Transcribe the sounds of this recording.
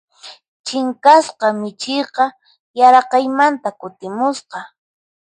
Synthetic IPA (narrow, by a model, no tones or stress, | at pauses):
t͡ʃɪŋkasqɑmɪt͡ʃɪjqɑ | jaɾɑqɑjmant̪akʊt̪ɪmʊsqɑ